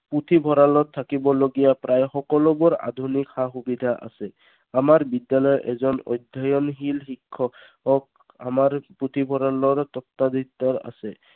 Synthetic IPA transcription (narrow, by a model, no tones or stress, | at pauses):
put̪ʰibʱɔɹalɔt̪ʰːakibɔloɡijapɾʔajxɔkɔlɔbɔɹa̰d̪ʱunikxaxubid̪ʱaʔa̰sɛ | amaɹbid̪jalɔjʔɛzɔnɔ̰jd̪ʱɔjɔnɦilxikʰːɔ | ɔk | a̰maɹput̪ʰibʱɔɹalɔɹt̪ɔt̪ːad̪ʱit̪ːɔɹa̰sɛ